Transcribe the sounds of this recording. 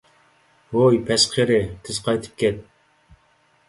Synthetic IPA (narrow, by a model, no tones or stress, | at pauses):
wojpʰɛsqʰeɾɪt̪ʰɪzqʰɑjt̪ʰɨ̥p̚kʲɛt̪̚